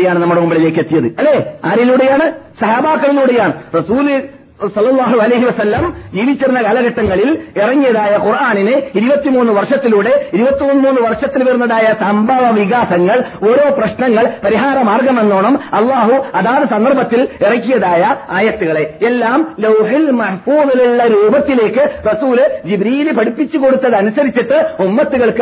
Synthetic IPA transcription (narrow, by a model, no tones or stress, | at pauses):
ejaːɳɨnɐmːɐɽnumbiɭeleːkːet̪ːijɐðɨɐlːeːaːɾiluːɽe̞jaːɳɨsɐɦaːbaːkːɐɭiluːɽejaːɳɨrɐsuːl | sɐlːɐlˠˤːɑːɦuɐlɐjɦiʋɐsɐlːɐmd͡ʑiːʋit͡ɕːɐɾunːɐkɐːlɐɣɐʈːɐŋːɐɭilirɐŋːijɐðaːjɐqurʔaːninɨiɾubɐt̪ːimuːnːɨʋɐrʂɐt̪ːiluːɽe̞iɾubɐt̪ːionːɨmuːnːɨʋɐrʂɐt̪ːilʋernːɐɽaːjɐsɐmbʱɐʋɐʋiɣaːsɐŋːɐɭo̞ɾo̞ːprɐɕɳɐŋːɐɭpɐɾiɦaːɾɐmaːrɡɐme̞nːoːɳɐmɐlˠːaːɦuɐðaːðɐsɐnd̪ɐrbʱɐt̪ːilirɐŋkːijɐðaːjɐaːjɐt̪ːuɣɐɭe̞elːaːmlɐwɦilmɐħfuːðiliɭːɐɾuːbɐt̪ːile̞ːkːɨrɐsuːld͡ʑibɾiːlɨpɐɽipːit͡ɕːuko̞ɽut̪ːɐðɐnusɐɾit͡ɕːiʈːɨumːɐt̪ːuɣɐɭk